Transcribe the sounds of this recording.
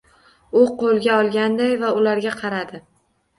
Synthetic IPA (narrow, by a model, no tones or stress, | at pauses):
ʊqolˠɡʲaɒlˠɡʲand̪ajvaʊlaɾɡʲaqʰɑɾad̪ɪ